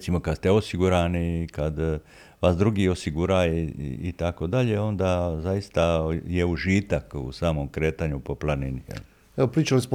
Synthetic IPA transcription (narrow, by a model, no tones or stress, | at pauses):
t̪simo̞kad̪st̪eo̞siɡuɾaːnikad̪ | ʋasd̪ɾuɡio̞siɡuɾaḭḭt̪ako̞d̪aʎeo̞nd̪aːzajist̪ajeuʒiːt̪akṵsaːmo̞mkɾeːt̪aɲupo̞plˠaninijḛl | eopɾiːt͡ʃalosp